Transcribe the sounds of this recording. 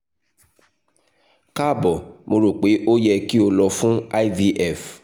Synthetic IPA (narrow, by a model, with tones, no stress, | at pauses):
ka˦˨bɔ˨mo˧ɾo˨k͡pe˨˦ʔo˦jɛ˧ki˦o˧lɔ˧fũ˦a˦vi˧ʔɛ˦˨f